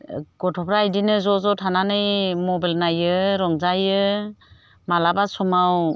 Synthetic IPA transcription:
ɡɔtʰɔpʰɾajdinɯzɔzɔtʰananɯjmɔbalnajɯɾɔŋzajɯ | malabasɔmaw

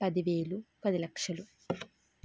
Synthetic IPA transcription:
pɐd̪iʋe̞ːɭupɐd̪ilɐkʂɐlu

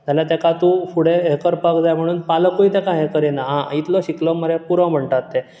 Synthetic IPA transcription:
zaljat̪ekat̪ũfuɽeɦekəɾpakd͡zajm̤əɽ̃uːnpaləkuit̪ekaɦekəɾinaɦãit̪lɔɕiklɔməɾepuɾʋə̃bʱəɳʈat̪ːe

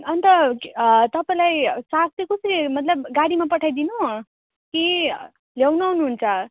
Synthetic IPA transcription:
ʌnt̪ʌ | t̪ʌpaĩlajsak̚t͡sikʌsʌɾimʌt̪lʌbɡaɽimapʌʈʰajd̪inu | ki | ljawnawnuɦunt͡sʰʌ

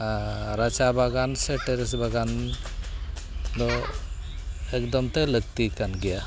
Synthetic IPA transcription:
ɾat͡ʃabaɡanseʈeɾes̬baɡan | d̪ɔ | ekd̪ɔmt̪elək̚t̪ikanɡɛja

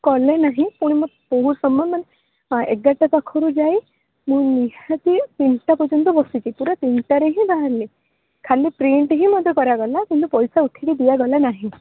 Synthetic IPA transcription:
kɔlenaɦĩpuɽ̃imɔ | poɦuɾsɔmjɔmane | eɡaʈat̪akʰɔɾud͡ʒaj | mũniɦat̪it̪inʈapɔt͡ʃɔnt̪̬ɔbɔsit͡ʃʰipuɾat̪inʈaɾeɦĩbaɦaɾli | kʰalipɾeɳʈɦĩmɔd̪ʱjɔkɔɾaɡɔlakint̪upɔjsauʈ̪ʰiɽid̪ijaɡɔlanaɦĩ

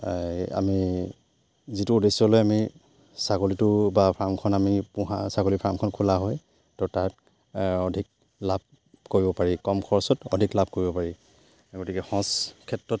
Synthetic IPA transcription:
a̰mi | zituːdesɔlojami | sakolitʊbapʰɹamkʰɔnamipuɦa̰sakolipʰɹamkʰɔnkʰulaɦɔj | tɔtaɹt | ɔdʱik̚ | lab̚ | koɹibɔpaɹikɔmkʰɔɹsɔtɔdʱiklab̚ʱkoɹibɔpaɹi | ɡotikɛxɔ̃skʰɛtɹɔt̚

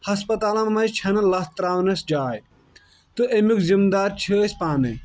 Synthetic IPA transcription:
hɐspɐt̪aːlɐmːɐjt͡ʃʰɐnɐlɐst̪ɾaːʋnɐsd͡ʒaːj | t̪ɨʔemukzimd̪aːɾt͡ʃʰəːsʲpaːnɨ

